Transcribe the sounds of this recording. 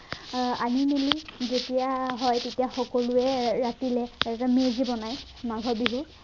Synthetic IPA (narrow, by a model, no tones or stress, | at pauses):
aninelizetijaɦɔjtetijaxɔkɔluɛɹatilɛtamezibɔnaj | maɡʱɔbiɦu